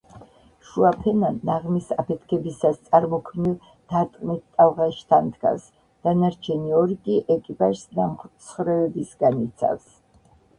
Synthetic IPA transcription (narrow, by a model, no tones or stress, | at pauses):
ʃuapʰɛnanːaʁmisapʰɛt̪ʰkʰɛbisast̪sʼaɾmɔkʰmnilˠ | d̪̥aɾt̪ʼqʼnit̪̚ʰt̪ʼːalʁaʃt̪ʰand̪ɡa̰s | d̪̥anaɾt͡ʃʰɛniɔɾikʼiʔɛkʼipʼaʒsnamχsʰχɾɛɛbisɡanit̪sʰa̰fs